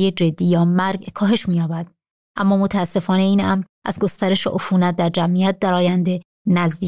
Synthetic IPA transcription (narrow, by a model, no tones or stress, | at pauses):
jed͡ʒe̞d̪ːiːjɒːmæɾɡkʰɒːɦe̞ʃmiːjɒːbæd̪̥ | ʔæmːɒːmot̪ʰæsːe̞fɒːne̞iːnʔæmɾ | ʔæ̰zɡo̞st̪æɾe̞ʃḛʔofuːnæt̪̚d̪æɾd͡ʒæmʔijæt̪̚d̪æɾɒːjænd̪e̞ | næzd̪iː